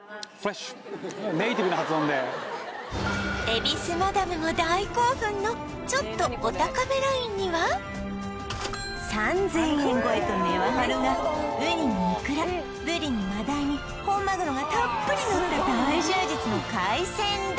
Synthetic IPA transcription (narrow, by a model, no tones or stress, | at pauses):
f | neit̪ʲibɯnahat͡sɨõnd̪e | e̞bʲisɨmad̪amɯ̟no̞d̪aiko̞ːɸɯ̟̃nːo̞ | t͡ɕo̞t̪ːo̞ːt̪akabeɾaĩɲ̟ːiβa | sãnd͡zẽ̞ɰ̃hẽŋɡo̞et̪o̞me̞βaɦaɾɯnaɯ̟ɾʲinomikɯ̟ɾa | bɯ̟ɾʲinomad̪aiɲ̟i | hõ̞mːaɡɯ̟ɾoɡat̪apːɯ̟ɾʲinot̪ːad̪aiʑɨːd͡ʑit͡sɨno̞kaisẽ̞n